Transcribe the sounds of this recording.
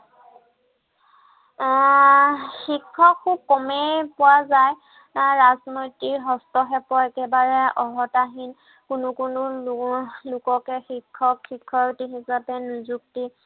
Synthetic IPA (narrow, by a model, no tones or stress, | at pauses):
xikʰːɔkʰːub̚kɔmɛpʊwazaj | ɹaznojtiɹɦɔstɔɦɛpɔaɛkɛbaɹɛɔɦɔtaɦin | kʊnʊkʊnʊ | lʊkɔkɛxikʰːɔkʰːikʰːɔɹtixisapɛnuzuk̚ti